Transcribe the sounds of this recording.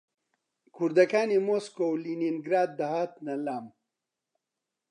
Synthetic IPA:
kʰuɾd̪ɐkaːnimoskowlininɡɾaːd̪̚ːɐɦat̪nɐlaːm

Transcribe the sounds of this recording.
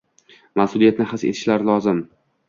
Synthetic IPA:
masʊlˠijat̪nɪχɨset̪ʰɪ̥ʃlaɾlˠɒzɪm

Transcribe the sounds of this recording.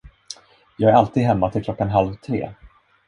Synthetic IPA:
jɑːɡæɾalt̪ʰiːd̪ɦɛmːat̪ʰɪlklɔkːanɦalvt̪ʰɾḛː

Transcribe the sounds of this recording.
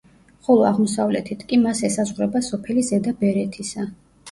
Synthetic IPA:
χɔlˠɔaʁmɔsavlɛ̰t̪ʰit̪ʰkʼimasɛsazʁɾɛbasɔpʰɛlizɛd̪abɛɾɛt̪ʰisa

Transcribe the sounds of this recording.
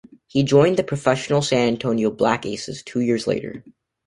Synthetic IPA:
hid͡ʒɔ̃ɪ̃nðɨpʰɹ̥ɨfɛʃn̩l̩ˠsæ̃næ̃ntʰõʊ̃nioʊblækeɪsɨ̰z̥tʰʉjɪɹzlḛɪɾə̰˞

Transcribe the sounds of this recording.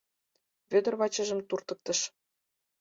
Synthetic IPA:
βød̪ə̆rβɑt͡ɕə̆ʒə̆mt̪urt̪ə̆k̚t̪ə̆ʃ

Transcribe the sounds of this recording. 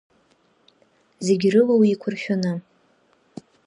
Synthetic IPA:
zeɡʲrɨlawiːkʷʰʊrχʲᶣanɨ

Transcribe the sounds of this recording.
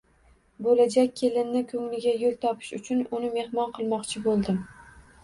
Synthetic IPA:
bolad͡ʒak̚ʲːʰe̞lɪnnɪkʰɵŋlɪɡʲajolˠt̪ʰɒpʰɪ̥ʃʊt͡ʃʰʊnʊnɪme̞hmɒnqʰɨlˠmɒqt͡ʃʰɪbolˠd̪ɪm

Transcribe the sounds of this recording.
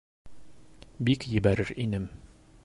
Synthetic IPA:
bikjɘ̆bæɾɘɾinɘm

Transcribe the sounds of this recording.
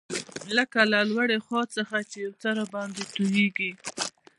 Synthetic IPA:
ləkalalwaɽexɑt͡səxat͡ʃejawt͡saɾabɑnd̪et̪ujeɡi

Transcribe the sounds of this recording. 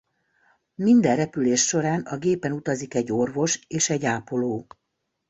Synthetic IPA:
mind̪ɛrrɛpyleːʃʃo̞ɾaːnɒɡeːpɛnut̪ɒzikɛɟːo̞rvo̞ʃeːʃɛɟːaːpo̞loː

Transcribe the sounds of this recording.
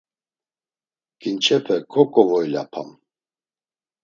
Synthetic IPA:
ɡ̥int͡ʃʰɛpʰɛkʰɔkʼɔvɔjla̰pʰa̰m

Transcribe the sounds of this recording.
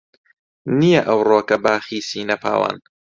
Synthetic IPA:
nijɐʔɐwroːkɐbaːxiːsiːnɐpʰa̰ːwa̰ːn

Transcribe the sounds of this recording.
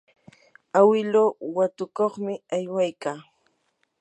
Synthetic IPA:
awɪloːwat̪ʊkoχmɪajwajkaː

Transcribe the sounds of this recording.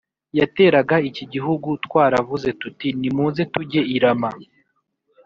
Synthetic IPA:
jate̞ːɾaɡaiciɟiɦuɡutwaːɾavuze̞tutinimuːnze̞tuɟe̞iɾama

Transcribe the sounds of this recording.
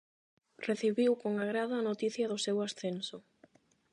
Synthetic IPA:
reθiβiwkoŋaɣɾaðɐanot̪iθjɐðʊsewasθensʊ

